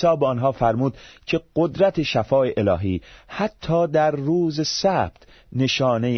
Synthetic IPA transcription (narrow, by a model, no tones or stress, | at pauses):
sɒːbeɒnɦɒːfæɾmuːd̪̥cʰe̞ɢ̥od̪ɾæt̪ʰe̞ʃæfɒːeʔelɒːɦiːhæt̪ʰːɒːd̪æɾːuːzesæːb̥̚t̪ | ne̞ʃɒːne̞j